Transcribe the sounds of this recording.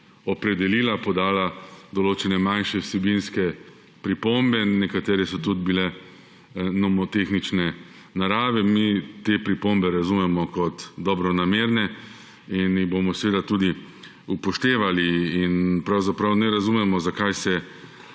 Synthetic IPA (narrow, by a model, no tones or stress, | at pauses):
ɔpɾɛd̪ɛliːlapɔd̪aːlad̪ɔloːt͡ʃɛnɛmanʃɛwsɛbinskɛ | pɾipombɛnɛkat̪eːɾɛsɔt̪ud̪̚bilɛ | nɔmɔt̪exnit͡ʃnɛ | naɾaːʋɛmit̪epɾipombɛɾazumɛmɔkɔt̪d̪ɔbɾɔnameːɾnɛ | iniɣbomɔsʋeːd̪at̪ud̪i | upɔʃt̪eːʋaliːnpɾawzapɾawnɛɾazumɛmɔzakajsɛ